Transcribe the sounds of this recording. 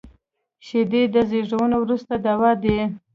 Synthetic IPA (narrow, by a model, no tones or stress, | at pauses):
ʃed̪ed̪əzeʐawənowɾust̪ad̪awɑd̪e